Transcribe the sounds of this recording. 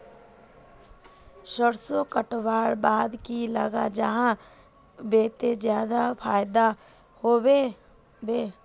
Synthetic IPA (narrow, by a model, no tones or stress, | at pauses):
ʃəɾsokəʈwaːɽbaːd̪kiləɡad͡ʒəɦã | beːt̪ed͡ʒjaːd̪apʰaːjd̪a | hoːwe | beː